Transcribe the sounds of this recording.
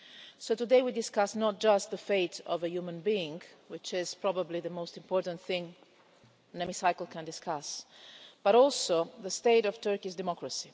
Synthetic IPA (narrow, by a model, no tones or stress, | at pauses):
soʊt̪udeɪwidɪskasnɔt̚d͡ʒast̪̚ðəfeɪtʰɔ̰vəjumə̃nbiɪ̃ŋwɪt͡ʃɪz̥pɹɔbəbliðəmostɪ̃mpɔːɹɾt̪ə̃nθɪ̃ŋ | nɛmisajkl̩ˠkʰɛ̃ndɪskʰas | b̥aɾɔlˠsoðəst̪eɪɾɔv̥t̪ɜɹkisdɛmɔkɹəsi